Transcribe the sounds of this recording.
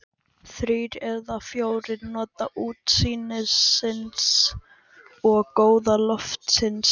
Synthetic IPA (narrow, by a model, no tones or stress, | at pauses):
θɾiːɾɛðafjoːwɾɪɾnɔːt̪aʔuːt̪siːnɪsɪns | ɔɣkoːwðalœft̪sɪns